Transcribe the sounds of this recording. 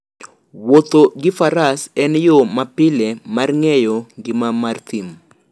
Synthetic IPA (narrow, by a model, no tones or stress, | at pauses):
wot̪oɡɪfaɾasɛnjomapɪlemarŋɛjoɡɪmamart̪im